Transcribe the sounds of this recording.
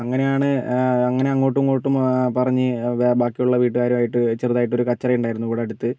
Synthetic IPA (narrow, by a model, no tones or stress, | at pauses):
ɐŋːɐne̞jaːɳɨɐŋːɐne̞ɐŋːo̞ːʈːumko̞ːʈːumpɐrɐɲːɨbaːkːijuɭːɐʋiːʈ̬ːɨɣaːɾumaːjiʈːɨt͡ɕerðaːjiʈːo̞ɾukɐt͡ɕːɐrɐjuɳɖaːjiɾunːukuːɽeɐɽut̪ːɨ